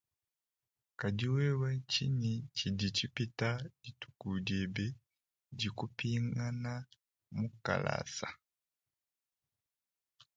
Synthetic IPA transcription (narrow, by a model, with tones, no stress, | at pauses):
ka˨di˦wɛ˦wɛ˦ci˦ni˨t͡ʃi˨di˨ci˦pitaditu̥ku˨diɛ˨bɛ˦ | ɟiku˦piŋa˦na˦ | muka̰˨la̰sa˨